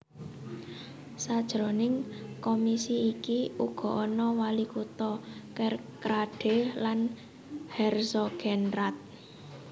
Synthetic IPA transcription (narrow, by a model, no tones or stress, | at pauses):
sad̥ʒ̥ɾonɪŋkomisiːkiuɡ̥ɔ̤ʔɔnɔwalikut̪ɔkɛrkɾaɖ̥e̤lan | hɛrsɔɡ̥ɛnrat̪̚